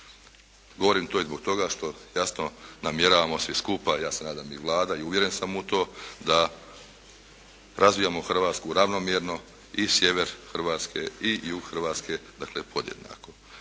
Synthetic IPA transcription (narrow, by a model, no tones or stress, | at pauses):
ɡo̞ʋo̞ɾiːmt̪oːizbo̞ɡ̥̚t̪o̞ɡaʃt̪o̞jasno̞namje̞ɾaːʋamo̞sʋiskupajaːse̞naːd̪amiʋlˠaːd̪aiuʋje̞ɾe̞nsamut̪o̞ːd̪a | ɾʔazʋijaːmoxr̩ʋaːt̪skuɾaʋno̞mjeɾno̞ | isje̞ʋe̞ɾxrʋaːt̪skʰe̞ijuɡxr̩ʋaːt̪ske̞d̪aklepʰo̞d̪jḛd̪na̰ːko̞